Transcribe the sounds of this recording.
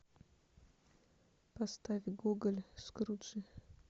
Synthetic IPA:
past̪avʲɡuɡəlʲskɾut͡ʃɨ

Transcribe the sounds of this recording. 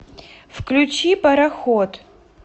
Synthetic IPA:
fklʲut͡ʃipɐɾɐxot̪

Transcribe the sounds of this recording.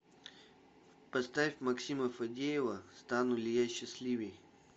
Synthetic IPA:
pɐst̪afʲmɐksʲiməfɐdʲejɪvəst̪anʊlʲɪjaɕːɪsʲlʲivʲɪj

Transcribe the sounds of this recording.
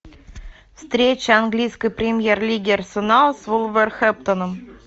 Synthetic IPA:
fst̪ɾʲet͡ɕəanɡlʲijskəjpɾʲɪmʲjerlʲiɡʲɪrsənɑlˠsvulˠvɛrxɛp̚t̪ənəm

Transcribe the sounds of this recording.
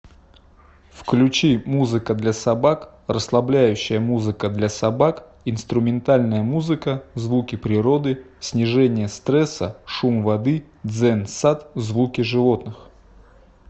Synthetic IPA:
fklʲʉt͡ɕimuzɨkəd̪lʲasɐbak | rəslˠɐblʲæjʉɕːɪjəmuzɨkəd̪lʲasɐbak | ɪnst̪ɾʊmʲɪnt̪alʲnəjəmuzɨkəzvukʲɪpɾʲɪɾo̞d̪ɨ | sʲnʲɪʐɛnʲɪjəst̪ɾɛsə̰ʂumvɐd̪ɨ | d̪zɛnsat̪zvukʲɪʐɨvo̞t̪nɨx

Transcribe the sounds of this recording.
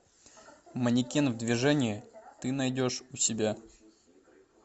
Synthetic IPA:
mənʲɪkʲenvd̪vʲɪʐɛnʲɪɪt̪ɨnɐjdʲo̞ʂʊsʲɪbʲa

